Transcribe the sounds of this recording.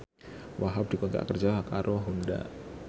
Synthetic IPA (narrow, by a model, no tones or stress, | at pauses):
wʔaɦap̚d̥ikɔt̪a̰kərd͡ʒaɦakaɾʔoɦunda̰ʔ